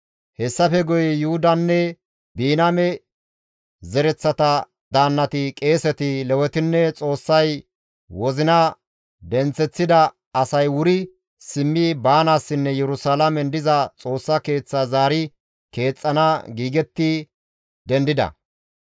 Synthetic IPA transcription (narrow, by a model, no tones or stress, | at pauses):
hɛsːɐfɛɡɔjɛjʊhʊd̪ɐnːɛ | biːnamɛ | zɛɾɛt͡sːɐt̪ɐ | d̪aːnːɐt̪ɪkʼe̞ːsɛt̪ɪlɛwɛt̪ɪnːɛt͡sʼo̞ːsːɐj | wɔzɪnɐ | d̪ɛnt͡sːɛt͡sːɪd̪ɐ | ɐsɐjwʊɾɪ | sɪmːibaːnaːsːɪnːɛjɛɾʊsaːlɐmɛnd̪ɪzɐt͡sʼo̞ːsːɐke̞ːt͡sːazaːɾɪ | ke̞ːt͡sʼːɐnaɡiːɡɛt̪ːɪ | d̪ɛnd̪ɪd̪ɐ̰